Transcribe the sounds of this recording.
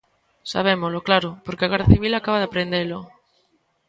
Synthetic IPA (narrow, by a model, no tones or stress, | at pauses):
sa̰β̞emozloklaɾopoɾkeaɣerðaθiβ̞ilakaβaðeapɾend̪elo